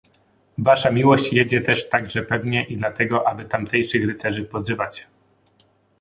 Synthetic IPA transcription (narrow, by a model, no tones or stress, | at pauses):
vaʂamʲiwɔɕt͡ɕjed͡ʑɛt̪ɛʂt̪aɡʐɛpɛvɲɛʔid̪lat̪ɛɡɔʔabɘt̪amt̪ɛjʂɘxɾɘt̪sɛʐɘpɔzɘvat͡ɕ